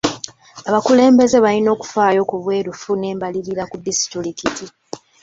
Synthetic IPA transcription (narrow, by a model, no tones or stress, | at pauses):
aβakule̞ːmbe̞ze̞βalino̞ːku̥faːjo̞ːkuβwe̞ːɾufune̞ːmbaliɾiɾakubisi̥tulikiti